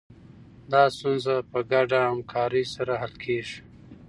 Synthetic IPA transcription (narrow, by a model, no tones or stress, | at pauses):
d̪ɑːst̪unzapəɡaɖaamkʰɑːɾisaɾaɦalkʰeːʐi